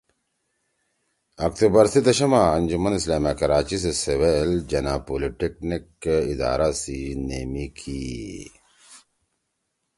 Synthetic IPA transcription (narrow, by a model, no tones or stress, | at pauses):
ɐkt̪ubɐɾsid̪ɐʃɐmaɐnd͡ʑumɐnislaːmakɐɾaːt͡ɕis̬eseweld͡ʑɐnaːpoːliʈeknikid̪a̰ːɾasinḛːmikʰi